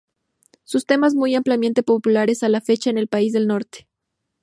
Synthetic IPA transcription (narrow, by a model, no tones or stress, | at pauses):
sust̪e̞maz̬mujamplamje̞nt̪e̞populaɾe̞salafe̞t͡ʃaene̞lpaizðe̞lno̞ɾt̪e̥